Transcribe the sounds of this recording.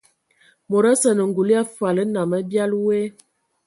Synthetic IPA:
mo˨ɾa˦sə˨nə˨ŋɡu˨li˦a˦fa˨lə˦na˨mə˦bja˦lwe˦

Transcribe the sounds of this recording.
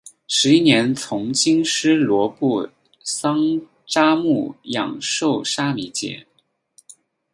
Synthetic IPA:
ʂɻ̩˧˥i˥njɛ˧˥nt͡sʰʊ˧˥ŋt͡ɕi˥ŋʂɻ̩˥lwɔ˧˥pu˥˩ | sɑ˥ŋ | ʈ͡ʂa˥mu˥˩jɑ̰˨˩ŋʂo˥˩ʊʂa˥mi˧˥t͡ɕjɛ̰˧˩˦

